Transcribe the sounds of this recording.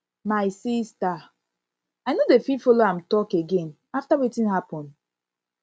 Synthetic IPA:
majsista | ajnodefifɔloãmtɔkeɡẽn | aftawetĩnɦapɔ̃nd

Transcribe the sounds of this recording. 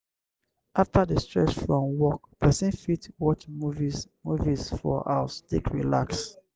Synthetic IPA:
ʔaftʰadəstɹɛ̰t͡ʃfɹɔ̃mwɔk̚pʰɛsĩnfitwɔt͡ʃmuvizmuvisfɔ̰ʔa̰sdikɹilaks

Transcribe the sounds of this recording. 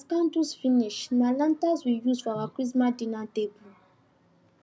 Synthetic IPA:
skãndusfiniʃnalãntazwijuzfavakwis̬madinãtebu

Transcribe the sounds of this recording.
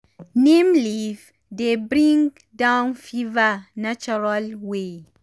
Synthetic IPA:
nẽmliv | debɾĩŋɡ | dãwnfivanat͡ʃuɹalwe

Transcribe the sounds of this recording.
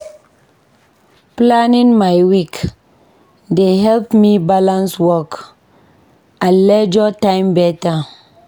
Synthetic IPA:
planĩŋmajwik | deɦɛlpmibalãnswɔk | alɛd͡ʒɔtãɪ̃mbɛta

